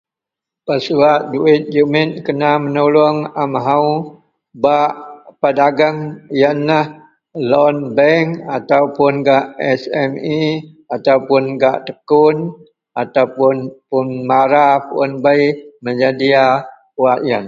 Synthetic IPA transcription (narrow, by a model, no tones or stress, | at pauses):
pəsuaʔ̚duɪt̪̚d͡ʒumɪt̪̚kənamənulʊŋamɦau | baʔpadaɡaŋjanlah | lɔnbɛŋat̪aupʊnɡaʔɛsɛmi | at̪aupʊnɡaʔt̪əkʊn | ʔat̪awpʊnpʊnmaɾapɔnbəiməd͡ʒadia | uwaʔjan